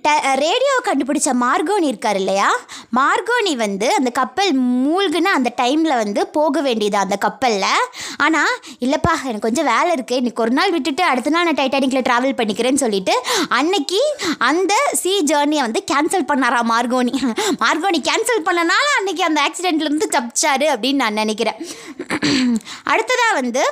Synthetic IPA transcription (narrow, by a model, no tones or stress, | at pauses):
ʈɐɾeːɽɪjoːkɐɳɖɯp̬ɪɽɪt͡ʃːɐːmaːɾɡoːniɪɾɯkːaːɾɪlːɐjaːmaːɾɡoːniʋɐnd̪ɯɐnd̪ɐkɐpːɐlmuːlɡɯnaɐnd̪ɐʈɐɪmɪlɐʋɐnd̪ɯpoːɣɐʋeːɳɖɪjɐðãːɐnd̪ɐkɐpːɐlːɐaːnaː | ɪlːɐpːaːɣɐɛnɐkːkɔɲd͡ʒɔ̃ʋeːlɐɪɾɯkːɯɪnːikːɔɾɯnaːlʋɪʈːɯʈːɯɐɽɯt̪ːɯnaːlnaːʈɐɪʈːɐnɪŋɡlɐʈɾaːʋɐlpɐɳːɪkːɪɾeːnːɯsɔlːɪʈːɯɐnːɛkːɯɐnd̪ɐsiːd͡ʒɐːɾniɐʋɐnd̪ɯkaːnsɐlpɐɳːaːɾãːmaːɾɡoːnimaːɾɡoːnikaːnsɐlpɐɳːɐnaːlɐ̃ɐnːɛk̬ːɯɐnd̪ɐaːksɪɖɛɳʈɪlɾɯnd̪ɯt̪ɐpːɪt͡ʃːaːɾɯɐpːɐɽɪnːɯnãːnɐnɛk̬ːɪɾẽː | ʔɐ̰ɽɯt̪ːɐðãːʋɐnd̪ɯ